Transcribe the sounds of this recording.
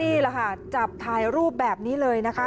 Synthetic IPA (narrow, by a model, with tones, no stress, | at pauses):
iː˥˩lɛ˨˩kʰa˥˩t͡ɕa˨˩p̚t̪ʰaː˧jɾuː˥˩pp̚bɛː˨˩p̚niː˦˥lɤː˧jna˦˥kʰa˦˥